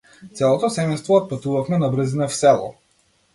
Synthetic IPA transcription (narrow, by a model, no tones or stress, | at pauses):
t̪sɛlˠɔt̪ɔsɛmɛjst̪vɔːt̪̚pat̪uvafmɛnabɾɤzinɛfsɛlˠɔ̰